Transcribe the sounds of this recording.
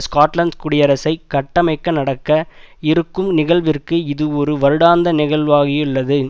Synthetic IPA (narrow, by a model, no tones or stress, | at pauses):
skaːʈlɐɳkʊɽɪjɐɾɐsɐɪkːɐʈːɐmɐɪkːɐnɐɽɐkːɐɪɾɯkːɯmnɪɣɐɭʋɪrkɯɪðɯɔɾɯʋɐɾɯɽaːnd̪ɐnɪɣɐɭʋaːɣɪjʊɭːɐðɯ